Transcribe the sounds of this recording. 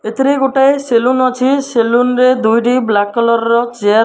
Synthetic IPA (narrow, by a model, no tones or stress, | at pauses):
et̪ʰiɾeɡoʈaeselunɔt͡ʃʰiselunɾed̪ujʈiblakːɔlɔɾɔɾɔt͡ʃea